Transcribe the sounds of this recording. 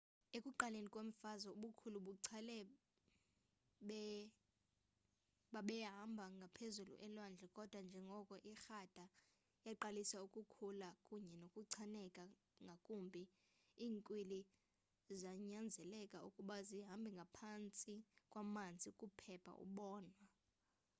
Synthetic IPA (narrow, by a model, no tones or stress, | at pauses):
ekʼuǃalenikʼwem̩fazɔuɓukʰuluɓuǀʰalɛ | ɓɛ | ɓaɓɛɦambʱaŋɡʱapʰezulṵʔɛlwand͡ɮʱɛkʼɔd̥ʱwand͡ʒʱɛŋɡʱɔkʼɔʔixad̥ʱa | jaǃalisaukʼukʰulakʼuɲɛnokʼuǀʰanɛkʼa | ŋɡʱakʼumbʱi | iːŋkʼwili | zaɲand͡zʱɛlɛkʼaṵkʼuɓaziɦambʱiŋɡʱapʰant͡sʼikʼwamant͡sd͡zʱʼikʼupʰɛpʰa̰ʔṵɓɔːnwa